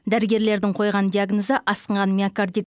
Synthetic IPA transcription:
d̪æɾɪɡʲe̞ɾle̞ɾd̪ɪŋqʰo̞jʁɑnd̪iaɡnozəʔɑsəɴʁɑnmʲiakard̪i

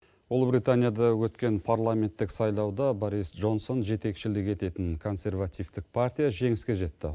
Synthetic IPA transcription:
wolˠbɾijt̪anʲijad̪ɑwɵt̪kʲe̞npʰarlˠamʲe̞nt̪ːɪksɑjlˠɑwd̪ɑboɾisdʒo̞nso̞nʒe̞t̪e̞kʃɪlɪkʲe̞t̪e̞t̪ɪŋkʰo̞nsʲe̞rvat̪ijvt̪ɪk̚pʰart̪ʲijaʒe̞ŋɪskʲe̞ʒe̞t̪ːɪ̰

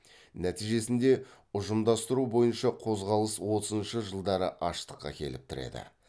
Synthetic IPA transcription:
næt̪ijʒe̞sɪnd̪e̞ | ʊʒəmd̪ɑst̪əɾubo̞jənʃɑqʰo̞zʁɑlˠəswo̞t̪əzənʃəʒəlˠd̪ɑɾəʔɑʃt̪ə̥qːɑ̰kʲʰe̞̰lɪp̚t̪ʰʊɾe̞̰d̪ɪ̰

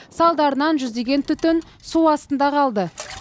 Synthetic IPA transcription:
sɑlˠd̪ɑɾənɑnʒʏzd̪e̞ɡʲe̞nt̪ʰʏt̪ɪn | suwɑst̪ənd̪ɑqʰɑlˠd̪ə

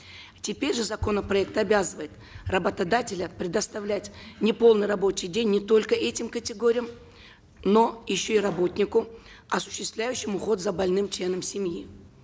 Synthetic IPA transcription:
tʲɪpʲeɾʲʐɨzɐko̞nəpɾɐɛk̚t̪ɐbʲazɨvəjɪt̪ | rɐbət̪ɐd̪atʲɪlʲəpɾʲɪd̪ɐst̪ɐvlʲætʲnʲɪpo̞lˠnɨjrɐbo̞t͡ɕɪjdʲenʲːɪt̪o̞lʲkəʔɛtʲɪmkətʲɪɡoɾʲɪjəm | no̞jɪɕːo̞irɐbo̞t̪ʲnʲɪkʊ | ɐsʊ̥ɕːɪst̪vlʲæjʉɕːɪmʊxo̞t̪zɐbɐlʲnɨmt͡ɕlʲe̞nəmsʲɪmji

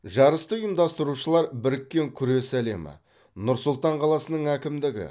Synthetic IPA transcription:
ʒɑɾəst̪əjəmd̪ɑst̪əɾuʃəlˠɑɾbɪɾɪkʲːe̞ŋkʲʰʏɾe̞sæle̞mɪ̰ | nʊɾsʊlˠt̪ɑɴqʰɑlˠɑsənəɴækʲɪmd̪ɪɡʲɪ̰

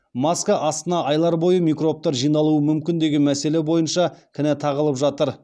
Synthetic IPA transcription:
maskɑʔɑst̪ənɑʔɑjlˠɑɾbo̞jəmʲijkro̞p̚t̪ɑɾʒijnɑlˠuəmʏmkʲɪnd̪e̞ɡʲenmæse̞le̞bo̞jənʃɑkʲʰɪnɪt̪ʰɑʁəlˠəpʒɑt̪əɾ

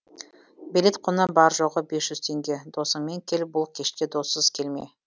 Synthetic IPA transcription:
belʲe̞t̪qʰonəbɑɾʒoʁəbesʒ̥ʏzt̪ʰe̞ŋɡʲe̞d̪o̞səɴmeŋkʲʰe̞lɪp̚bʊlˠkʲʰe̞ʃt̪ʲe̞d̪o̞sːəz̥kʲʰe̞lme̞̰

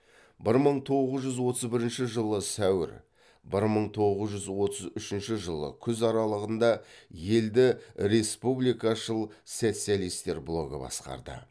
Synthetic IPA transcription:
bɪɾməɴt̪ʰo̞ʁəzʒʏzwo̞t̪əzbɪɾɪnʃɪʒəlˠəsæwɪ̰ɾ | bɪɾməɴt̪ʰo̞ʁəzʒʏzwo̞t̪əzʏʃɪnʃɪʒəlˠə̰kʲʰʏzɑɾɑlˠəʁənd̪ɑje̞ld̪ɪɾe̞spublijkɑʃəlˠse̞t̪sijalˠijst̪e̞ɾblˠo̞̰ɡə̰bɑ̰sqɑ̰ɾd̪ə̰

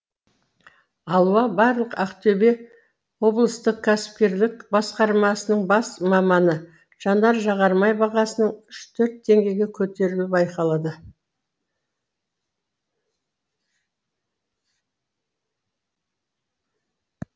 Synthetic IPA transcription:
ɑlˠuɑbɑɾlˠəqæqt̪ʰɵbe̞ | wo̞blˠəst̪əq̚kʲʰæsɪ̥p̚kʲe̞ɾd̪ɪk̚bɑsqɑɾmɑsənəɴbɑsmɑmɑnə | ʒ̥ɑnɑɾʒɑʁɑɾmɑjbɑʁɑsənəɴʏʃt̪ʰɵɾt̪ʰːe̞ŋɡʲe̞jɡʲe̞kʲʰɵt̪e̞ɾɪluwəbɑjqɑlˠɑd̪ə

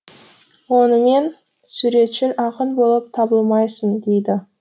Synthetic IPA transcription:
wo̞nəme̞n | suɾe̞t̪ʃɪlʔɑqənbo̞lˠəp̚t̪ʰɑbəlˠmɑjsənd̪e̞jd̪ɪ

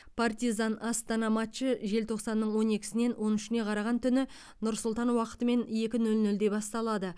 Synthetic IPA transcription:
pʰart̪izɑnɑst̪ɑnɑmat̪t͡ʃəʒe̞lt̪ʰo̞qsɑnːəɴwo̞ne̞kʲɪ̥sɪne̞nwʔo̞nʏʃɪne̞qʰɑɾɑʁɑnt̪ʰʏnɪ | nʊɾsʊlˠt̪ɑnwɑqə̥t̪əme̞nje̞kʲɪnɵlnɵld̪e̞bɑst̪ɑlˠɑd̪ə

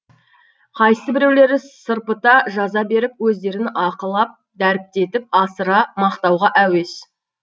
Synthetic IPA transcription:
qʰɑjssəbɪɾe̞wle̞ɾɪsəɾpət̪ɑʒɑzɑbe̞ɾɪp̚wɵzd̪e̞ɾɪnʔɑqəlˠɑp̚ | d̪æɾɪp̚t̪e̞t̪ɪp̚ɑsəɾɑmɑqt̪ɑwʁɑʔæwe̞s

